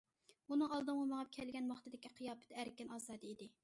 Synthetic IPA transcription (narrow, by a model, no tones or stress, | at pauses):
unɨŋɑlˠd̪ɨmʁɑmɑʁɑp̚kʲʰɛlɡʲɛnwɑχt̪ɨd̪ɪkʲiqʰijɑːpʰɪ̥t̪æɾɪkʲɛnɑːzɑːd̪ɨid̪ɪ